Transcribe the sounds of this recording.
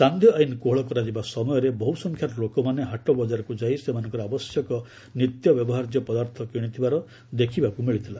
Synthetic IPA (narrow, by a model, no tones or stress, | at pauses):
sand̪ʱjɔainkoɦɭɔkɔɾad͡ʒibasɔmɔjɔɾebɔɦusɔŋkʰjaɾɔlokɔmaneɦaʈɔbɔd͡ʒaɾɔkud͡ʒajsemanɔ̃ŋkɔɾɔabɔsjɔkɔ | nit̪jɔbjɔbɔɦaɾd͡ʒjɔpɔd̪aɾt̪ʰɔkiɽ̃it̪ʰibaɾɔ | d̪ekʰibakumiɭit̪ʰila